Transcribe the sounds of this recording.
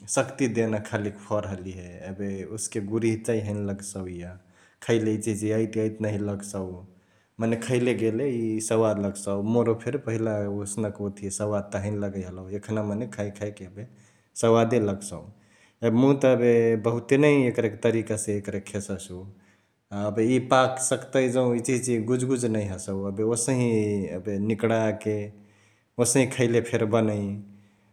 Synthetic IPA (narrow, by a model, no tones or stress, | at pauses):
səkt̪id̪enakʰalikpʰəɾɦəliɦeəbeuskeɡuɾiɦt͡ʃaiɦəɪnləɡsəwja | kʰəɪlejt͡ʃid͡ʒeəjt̪əjt̪nəɦĩləɡsəw | mənekʰəɪleɡeleisəwad̪ləɡsəwmoɾopʰeɾpəɦilaosnəkot̪ʰisəwad̪̚t̪əɦəɪnləɡəɦələekʰnamənekʰajkʰajkeəbe | səwad̪eləɡsəw | ebmũt̪əbebəɦut̪enəjekɾeket̪əɾikasẽekɾekʰesəsu | aəbeipaksəkt̪əjd͡ʒəũit͡ʃit͡ʃiɡud͡ʒɡud͡ʒnəjɦəsəwəbeosə̃ɦĩə̰benikɽake | osə̃ɦĩkʰəɪlepʰeɾbənəj